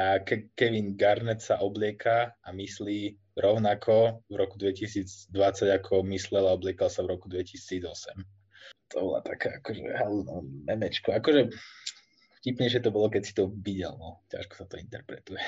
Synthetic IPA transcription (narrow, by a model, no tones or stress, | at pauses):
akɛkɛʋinɡaɾnɛt̪saʔɔblɪɛkʰaːmisliː | ɾɔʊnakʰɔvɾɔkud̪ʋɛcisiːd͡zd̪ʋat͡saɟakʰɔmislɛlaɔblɪɛkalsavɾɔkud̪ʋɛcisiːd͡zɔsɛm | t̪ʰɔbɔla̰t̪akaːakɔʒɛ̰ɦɛlnɔmɛmɛt͡ʃkɔakɔʒɛ | fcipɲɛɪʃ̬ɛt̪ɔbɔlɔkɛcsi̥t̪ɔʋiɟɛ̰lnɔca̰ʃkɔ̥sat̪ɔint̪ɛɾpɾɛt̪ujɛ